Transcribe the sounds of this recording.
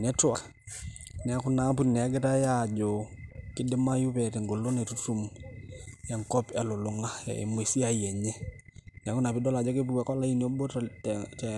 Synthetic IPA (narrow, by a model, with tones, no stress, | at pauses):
nɛ˦tʊ˦wa˨k | nɛ˨a˦kʊ˦na˦pu˦nɛ˨a˦ɡɪ˦ta˦ja˦˨d͡ʒo˨kɪ˦dɪ˦ma˦ju˦pɛ˨tɛ˨ŋɡo˨lo˦nɛ˨tu˦tu˨m | jɛ˨ŋkɔ˦pɛ˨lʊ˨lʊ˨ŋa˦ɛ̰˨mwe˨si˦a˦˨jɛ˨ɲɛ˦ | nɛ˨kʊ˦na˨pɪ˦dɔ˦la˨d͡ʒɔ˦ke˦pu˨ka˨kɔ˦la˦i˦n˨o˦bo˦ttɛ˨